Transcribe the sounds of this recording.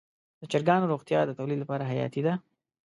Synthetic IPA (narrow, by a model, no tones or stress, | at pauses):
d̪̥ət͡ʃɪɾɡɑnoɾoɣt̪jɑd̪ət̪awlid̪lapɑɾaɦajɑ̰t̪id̪a